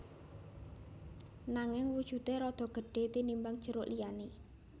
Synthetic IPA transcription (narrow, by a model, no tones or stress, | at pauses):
naŋɪŋwud̥ʒ̥ṳt̪eɾɔd̪̥ɔ̤ɡ̥ə̤ɖ̥e̤t̪inimbaŋ̥ʒ̥ə̤ɾʊʔlijane